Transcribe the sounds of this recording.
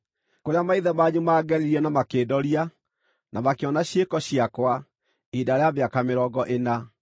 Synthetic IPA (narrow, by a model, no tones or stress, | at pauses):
koɾeamaiðɛmaɲumaːɡɛɾiɾiɛnamakeːdɔɾia | nʔamakeɔnaɕekɔɕiakwa | idaɾeaβeakameɾɔɡɔʔena